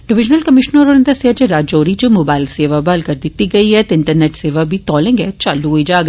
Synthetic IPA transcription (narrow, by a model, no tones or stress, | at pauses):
ɖɪʋɪd͡ʒnəlkɐmɪʃnɔɾonnd̪ɐsiad͡ʒeɾaːd͡ʒoːɾid͡ʒomoːbaːɪlseːʋabalkɐɾd̪ɪt̪iɡɐiɦɛt̪ɪ̃ɳʈəɾneːʈseːʋabʱit̪ɔːlẽːŋɡeːt͡ʃɐluoid͡ʒaːɡ